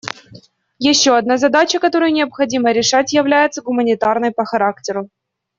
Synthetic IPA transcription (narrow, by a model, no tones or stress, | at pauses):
jɪɕːoɐd̪̚nazɐd̪at͡ɕəkɐt̪o̞ɾəjnʲɪɐpxɐdʲiməɾʲɪʂatʲjɪvlʲæjɪt̪səɡʊmənʲɪt̪arnəjpəxɐɾaktʲɪɾʊ